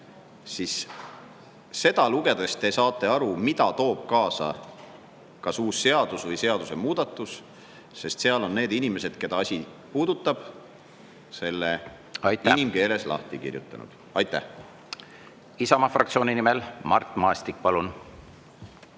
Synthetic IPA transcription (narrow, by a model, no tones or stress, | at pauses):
sis | e̞d̪̥ɑluɡ̥e̞d̪̥e̞st̪ːe̞sɑːt̪ːˑe̞ɑɾumid̪̥ɑt̪o̞ːb̥̚kɑːsɑ̰ | kɑsuːsːe̞ɑd̪̥usvɤjse̞ɑd̪use̞muːd̪̥ɑt̪ːˑus | se̞st̪se̞ɑlo̞nːe̞ːd̪inʲime̞se̞d̪̥ke̞d̪ɑɑsʲi | puːd̪ut̪ːˑɑb̥ | se̞lːe | ɑjt̪ːiænimke̞ːle̞slɑ̰ht̪ikḭrjṵt̪ːˑɑ̰nṵd̪̥ | ɑjt̪ˑːæh | isɑmɑfrɑkt̪sio̞ːnʲinimelmɑ̰rt̪ːˑmɑest̪ik̚ːpɑlun